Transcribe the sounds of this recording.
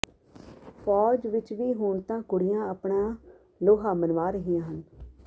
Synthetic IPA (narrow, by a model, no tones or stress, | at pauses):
fʰɔːd͡ʒʋɪt͡ʃʋiːɦʊːɳt̪ãːkʊɽɪjãːəpɳãː | loːɦaːmənʋaːɾəɦijãːɦən